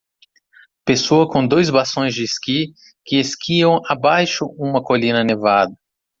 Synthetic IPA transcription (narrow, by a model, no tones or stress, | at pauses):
pesoɐkõd̪ojzbasõj̃zd͡ʒɪːski | kɪeskʰiɐ̃w̃abajʃʊũmɐkolĩnɐnevad̪ɐ